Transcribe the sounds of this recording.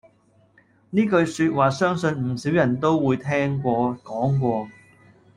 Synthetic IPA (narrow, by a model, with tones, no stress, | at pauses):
niː˥kɵ˧ɥsyː˧t̚waː˨˩sœː˥ŋsɵ˧nm̩˨˩si˨˥wjɐ˨˩nt̪o˥wwuː˨˧jt̪ʰɛː˥ŋkʷɔː˧kɔː˨˥ŋk̬ʷɔː˧